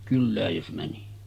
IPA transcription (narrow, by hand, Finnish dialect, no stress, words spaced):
kylːæːj jos mæni